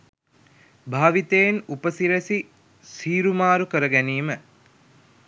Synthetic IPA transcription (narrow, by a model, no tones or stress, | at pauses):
bʱaːʋit̪ejnupəsiɾesi | siːɾumaːɾukəɾəɡɛniːmə